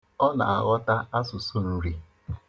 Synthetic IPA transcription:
ɔ˦na̰˨a̰˨ɣɔ˦ta˦a˦sʊ˨so˦˨n̩˦ɾi˦

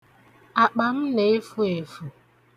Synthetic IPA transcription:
a˨k͡pa˨m̩˦ne˨e˦fu˦e˨fu˨

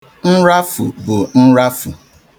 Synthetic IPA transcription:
n̩˦ɾa˦fu˨bʊ˨n̩˦ɾa˦fu˨

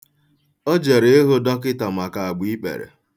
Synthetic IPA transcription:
ɔ˦d͡ʒe˨ɾe˨˦e˦ɦo˦dɔ˦kɪ˦ta˨ma˨ka˨a˨ɡ͡bi˨˦i˦k͡pḛ˨ɾḛ˨

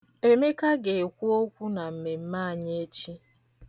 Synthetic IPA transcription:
e˦me˦ka˦ɡe˨e˨kʷu˦o˦kʷu˦na˨m̩˨me˨m̩˦ma˦˨ɲ˦e˦t͡ʃi˦

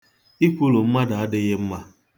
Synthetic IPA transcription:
i˦kʷu˦lo˨m̩˦ma˦da˨a˦dɪ˦ɣɪ˦m̩˦ma˦

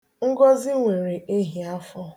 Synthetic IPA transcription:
ŋ̩˦ɡɔ˦zi˦ŋʷe˨ɾe˨ʔe˦ɦi˨a˦fɔ˦

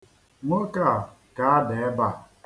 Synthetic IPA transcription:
ŋʷo˦ka˦˨ | ka˦a˦dɪ˨e˦ba˦˨

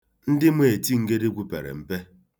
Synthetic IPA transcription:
n̩˦dɪ˦mʷ˦e˨ti˦ŋ̩˨ke˦de˦ɡʷu˨pe˨ɾḛ˨m̩˨pe˦

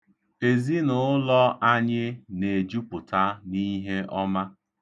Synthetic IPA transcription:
e˨zi˦nʊ˨˦lɔ˦ʔa˦ɲɪ˦ne˨d͡ʒu˦pʊ˨ta˦ni˦ɦe˦ʔɔ˦ma˦

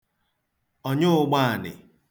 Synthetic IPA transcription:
ɔ˦ɲʊ˦ʊ˦˨ɡ͡ba˦a˨nɪ̰˨

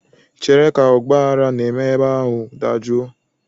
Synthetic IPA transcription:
t͡ʃe˨ɾe˦ka˨ʊ˨ɡ͡ba˦a˦ɾa˦ne˨me˦ba˦ɦʊ˨da̰˨d͡ʒo˦

